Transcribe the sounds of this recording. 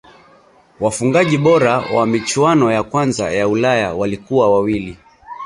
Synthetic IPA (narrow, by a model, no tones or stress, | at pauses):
wafuŋɡaʄiɓɔɾawamit͡ʃwanɔjakwanza̰jaulaja̰walikuwawawili